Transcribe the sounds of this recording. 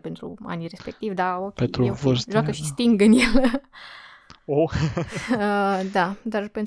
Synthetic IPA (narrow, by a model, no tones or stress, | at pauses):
pe̞nt̪ɾṵa̰nirespe̞k̚t̪ivʲd̪aokʲpent̪ɾuvosʒwakəʃist̪iŋɡɨnjel | o | əd̪ad̪arpen